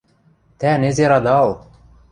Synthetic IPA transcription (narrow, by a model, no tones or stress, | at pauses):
t̪ænezʲeɾɑd̪ɑlˠ